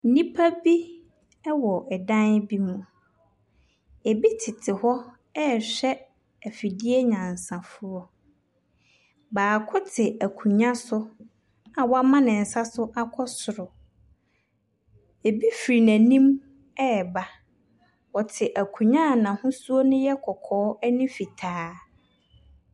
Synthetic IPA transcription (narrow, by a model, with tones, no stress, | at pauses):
nĩ˦pʰa˦bi˦ | ɛ˦wɔ˨ʔɛ˨dã˦nbi˦mũ˨ | e˨bi˦tʰɪ˨tʰɪ˨hɔ˦ | ɛ˦˨ɕᶣɛ˦ | ɛ˨fi˨di˦e˦ɲã˨n˨sã˨fʊ˦ɔ˦ | baː˨kʰɔ˦tʰɪ˨æ˨kʰũ˨ɲã˦sʊ˦ | a˨wa˦mã˦nɪ̃˨n̩˨sa˦sʊ˦ʔa˦kʰɔ˦sʊ˨ɾʊ˨ | e˨bi˦fɾi˨næ̃˨nĩ˦m | ɛ˦˨ba˦ | wɔ˨tʰɪ˨ʔæ˨kʰũ˨ɲã˦˨nã˨hʊ̃˦su˦o˦nʊ̃˦jɛ˦kʰɔ˨kʰɔː˨˦ɛ˦nĩ˦fi˨tʰaː˨˦